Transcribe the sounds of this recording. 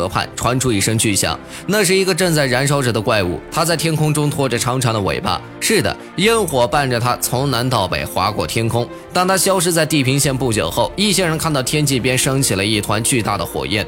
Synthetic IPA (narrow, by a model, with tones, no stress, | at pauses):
ɤ˧˥pʰa̰˥˩nʈ͡ʂʰwa˧˥nʈ͡ʂʰu˥i˥˩ʂɤ˥ŋt͡ɕy˥˩ɕjɑ̰˨˩˦ŋ | na˥˧ʂ̬ɻ̩˥˩i˧˥ɡə˧ʈ͡ʂɤ˥˧ŋt͡sa˥˩ɪɻa˧˥nʂ̬ɑ˥ʊʈ͡ʂɤ˨˩d̪ə˦kwa˥˧ɪṵ˥˩t̪ʰa˥t͡sa˥˩ɪt̪ʰjɛ˥nkʰʊ˥ŋʈ͡ʂʊ˥ŋt̪ʰwɔ˥˩ʈ͡ʂə˨˩ʈ͡ʂʰɑ˧˥ŋʈ͡ʂʰɑ˧˥ŋd̪ə˧wḛ˨˩ɪpa̰˥˩ | ʂɻ̩˥˩d̪ə̰˩ | ji˥nxwɔ˨˩pa˥˩nʈ͡ʂə˩t̪ʰa˥t͡sʰʊ˧˥ŋna˧˥nt̪ɑ˥˨˩ʊpḛ˨˩ɪxwa̰˧˥kwɔ̰˥˩t̪ʰjɛ˥nkʰʊ˥ŋ | t̪a˥˩nt̪ʰa˥ɕjɑ˥ʊʂ̬ɻ̩˥t͡sa˥˧ɪt̪i˥˩pʰi˧˥ŋɕjɛ˥˧npu˥˩t͡ɕjo̰˨˩ʊxo˥˩ʊi˥˩ɕjɛ˥ɻə˧˥nkʰa˥˧nt̪ɑ˥˩ʊt̪ʰjɛ˥nt͡ɕi˥˩pjɛ˥nʂɤ˥ŋt͡ɕʰi˨˩lə˦i˥˩t̪ʰwa˧˥nt͡ɕy˥˧t̪a˥˩d̪ə˩xwɔ̰˨˩jɛ̰˥˩n